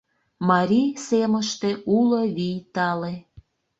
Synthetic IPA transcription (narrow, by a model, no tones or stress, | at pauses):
mɑɾʲiseməʃt̪euloβijt̪ɑle